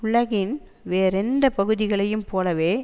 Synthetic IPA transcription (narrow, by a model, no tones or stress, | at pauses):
ʊɭɐɣɪn | ʋeːɾɛnd̪ɐpɐɣɯðɪɣɐɭɐjɯmpoːlɐʋeː